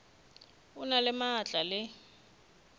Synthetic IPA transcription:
ʊnalɪmaːt͡ɬʼalɪ

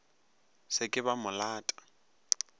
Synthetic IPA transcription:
sɪkʼɪbamʊlaːtʼḁ

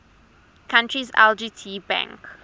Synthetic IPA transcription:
kʰãntɹizɛ̰ld͡ʒiːtʰiːbã̰ŋk

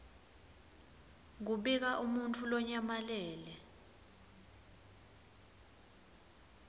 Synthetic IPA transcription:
ŋ̬uɓik̬aʔumuntʰulɔɲamalɛːlɛ

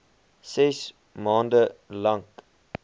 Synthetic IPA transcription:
sɛs | mɑːndəlɐŋk

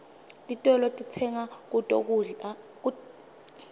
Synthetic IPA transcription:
tʼitʼɔlɔtʼit͡sʰɛŋak̬utʼo̰k̬u | u

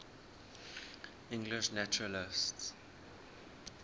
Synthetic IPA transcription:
ɪ̃ŋɡlɪʃnat͡ʃuɹəlɪsts

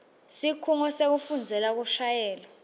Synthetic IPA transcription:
sikʰuŋɔsek̬ufund͡zʱɛlak̬uʃajɛːlɔ

